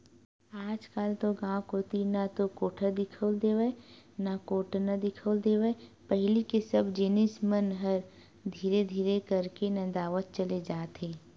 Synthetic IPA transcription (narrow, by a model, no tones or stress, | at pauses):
aːd͡ʒkaːlt̪oɡãːkɦoːt̪inat̪okoːʈʰəd̪ɪkʰəld̪eːʋenakoːʈnɐd̪ɪkʰəld̪eːʋepɛɦlikesɐbd͡ʒɪnɪsmənɦɐɾ | d̪ʱiːɾed̪ʱiːɾekɐɾkenɐd̪aːʋət̪̚t͡ʃəled͡ʒaːt̪ẽː